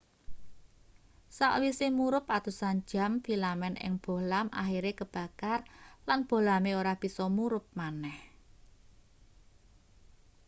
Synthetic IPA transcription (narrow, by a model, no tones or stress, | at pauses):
sa̰ʔwisemuɾʊpat̪usan̥d͡ʒ̥a̤mfilamɛnɪ̰ŋb̥o̤lamʔa̰xiɾekəb̥a̤karlanb̥o̤lameoɾahb̥i̤sɔmuɾʊp̚manɛh